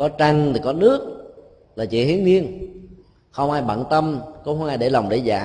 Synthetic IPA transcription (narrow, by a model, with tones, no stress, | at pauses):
kɔ˨˦t͡ɕa˧ŋt̪ʰi˨˩kɔ˨˦nɨ˦˥ək̚ | laː˨˩t͡ɕḭ˧˨˩hi˨˦nni˧ən | xə˧wŋ͡mʔaː˧jɓa̰ː˧˨nt̪ə˧mko˧˦xə˧wʔaː˧jɗe˧˩la˨˩wŋ͡mɗḛ˧˩za̰ː˧˨˩